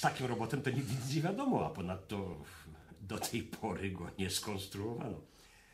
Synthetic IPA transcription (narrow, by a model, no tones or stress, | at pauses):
st̪akʲimɾɔbɔt̪ɛmt̪ɔɲizɲiɲɛvʲjad̪ɔmɔa̰pɔnat̪ːɔ | d̪ɔt̪ʰɛjpʰɔɾɪɡɔɲɛskɔnst̪ɾuɔva̰nɔ